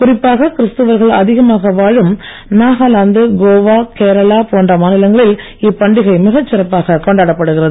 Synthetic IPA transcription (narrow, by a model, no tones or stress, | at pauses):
kʊrɪpːaːɣɐkɪɾɪst̪ɯʋɐɾɣɐɭɐðɪɣɐmaːɣɐʋaːɻɯm | naːɣaːlaːnd̪ɯɡoːʋaːkeːɾɐɭaːpoːɳɖrɐmaːnɪlɐŋɡɐɭɪl | ɪpːɐɳɖɪɣɐɪmɪɣɐt͡ʃːɪrɐpːaːɣɐkɔɳɖaːɽɐpːɐɽɯɣɪrɐðɯ